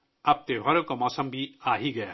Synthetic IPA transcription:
ɐb̚t̪ebʱɐɾokomɔːsəmbʱiaːɦiɡɐja

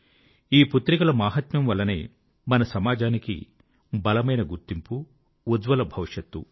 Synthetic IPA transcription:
iːput̪ɾikɐlɐmaːɦɐt̪mɐmʋɐlːɐnḛː | mɐnɐsɐmaːd͡ʒaːnikḭ | bɐlɐmɐjnɐɡuɾt̪impu | ud̪ʋɐlɐbʱɐʋiʂjɐt̪ːṵ

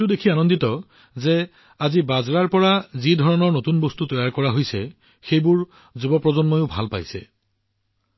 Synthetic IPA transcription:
tʊdekʰianɔnditɔ | zɛ | azibazɹaɹpɔɹazidʱɔɹɔnɔɹnotunbostutɔjaɹkɔɹaɦojsɛ | xejbʊɹ | zubɔpɹɔzɔnmojʊbʱa̰lpa̰jsɛ̰

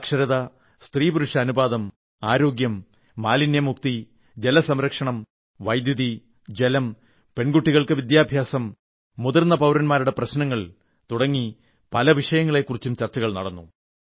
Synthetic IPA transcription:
kʂɐɾɐðɐ | st̪riːpuɾuʂɐːnubaːðɐm | aːɾo̞ːɡjɐmː | aːlinjɐmuk̚t̪i | d͡ʑe̞lɐsɐmɾɐkʂɐɳɐm | ʋɐjd̪juði | d͡ʑelɐm | pe̞ɳɡuʈːiɣɐɭkɨʋid̪jaːbʱjaːsɐmː | uðɐrnːɐpɐwɾɐnmaːɾuɽe̞prɐɕnɐŋːɐɭ | t̪uɽɐŋːi | pɐlɐʋiʂɐjɐŋːɐɭe̞kːurit͡ɕːumt͡ɕɐrt͡ɕːɐɣɐɭnɐɽɐnːu

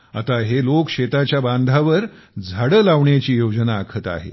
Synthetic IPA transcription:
a̰t̪aɦelokɕet̪at͡ɕjaband̪ʱaʋəɾd͡zʱaɽəlaʋɳjat͡ɕiːjod͡ʑnaːkʰət̪a̰ɦḛ

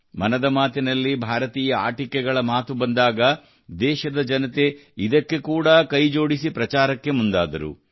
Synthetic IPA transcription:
mɐnɐd̪ɐmaːt̪inɐlːibʱaːɾɐt̪iːjɐa̰ːʈikɛɡɐɭɐmaːt̪ubɐnd̪aːɡɐ | d̪ɛːʃɐd̪ɐd͡ʒɐnɐt̪e̞id̪ɐkːe̞kuːɽɐkɐjd͡ʒo̞ːɽisipɾɐt͡ʃaːɾɐkːe̞mund̪aːd̪ɐɾṵ

